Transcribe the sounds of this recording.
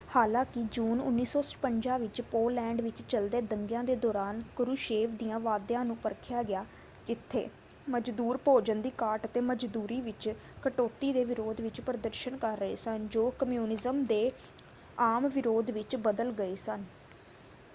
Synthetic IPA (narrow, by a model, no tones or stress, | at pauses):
haːlãːkɪd͡ʒuːnʊ̰nːiːsɔːspəɲd͡ʒaːʋɪt͡ʃpoːlɛ̃ːɳɖʋɪt͡ʃt͡ʃəld̪eːd̪əŋɡjãːd̪eːd̪ɔːɾaːnkʊɾuːʃeːʋd̪ijãːʋaːd̪jãːnũːpəɾkʰɪjaːɡɪjaː | kɪt̪ʰːḛː | məd͡ʒd̪uːɾpoːd͡ʒənd̪iːkaːɾʈət̪eːməd͡ʒd̪uːɾiːʋɪt͡ʃ | kəʈoːt̪iːd̪eːʋɪɾoːd̪ʋɪt͡ʃpɾəd̪əɾʃənkəɾːəɦḛːsənd͡ʒoːkəmjuːnɪzəmd̪eː | aːmʋɪɾoːd̪ʋɪt͡ʃbəd̪əlɡəeːsən